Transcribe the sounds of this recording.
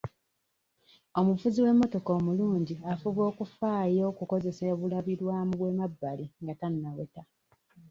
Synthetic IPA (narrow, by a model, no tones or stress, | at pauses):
o̞mufuziwe̞mːo̞to̞koːmuluːɲɟiafuβo̞ːkufaːjo̞kuko̞ze̞seβulaβiɾwaːmuβwe̞mabːaliŋɡatanːaweta